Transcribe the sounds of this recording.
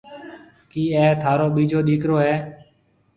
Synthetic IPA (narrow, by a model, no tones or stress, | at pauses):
kiːɛːt̪ʰaːɾoːɓiːd͡ʒoːɗiːkɾoːɦɛː